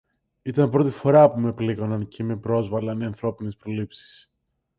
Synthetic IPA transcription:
it̪ɐmpɾo̞t̪ifo̞ɾɐpume̞pliɣo̞nɐnceme̞pɾo̞zvɐlɐneɐnθɾo̞pine̞spɾo̞lipsi̥s

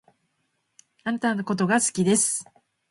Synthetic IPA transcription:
aɾat̪ano̞ko̞t̪o̞ɡasɨ̥kʲid̪e̞sɨ̥

